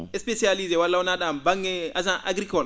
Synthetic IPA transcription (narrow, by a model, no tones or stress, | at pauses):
espesializewalːawunadambaŋeazãʔa̰ɡɾikɔl